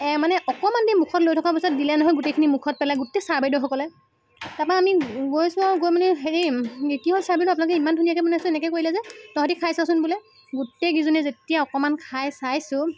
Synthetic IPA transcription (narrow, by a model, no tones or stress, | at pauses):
manɛɔkɔmandimukʰɔtlojtʰɔkabɔsɔt̚dilɛnɔɦɔjɡutejkʰinimukʰɔt̚pɛlajɡutesaɹbajdɔxɔkɔlɛ | tapaamiɡojsʊ̃aɡojmanɛxeɹikiɦolsaɹbajdɔapunalɔkɛimandʱunijakɛbɔnajsʊ̃ɛnɛkɛkoɹilɛzɛtɔɦatikʰajsasʊnbulɛ | ɡutːeɡizɔnɛzetijaɔkɔmankʰajsajsʊ̃